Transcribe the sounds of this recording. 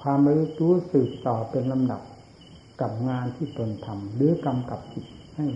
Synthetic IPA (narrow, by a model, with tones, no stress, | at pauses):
kʰwaː˧mba˧lːu˦˥t̪̚ɾuː˦˥sɯː˨˩p̚t̪ɔː˨˩pe˧nla˧mda˨˩p̚ | ka˨˩p̚ŋaː˧nt̪ʰiː˥˩t̪o˧nt̪ʰa˧mlɯː˨˦˥ka˧mka˨˩p̚si˨˩t̪̚ | ha˥˩j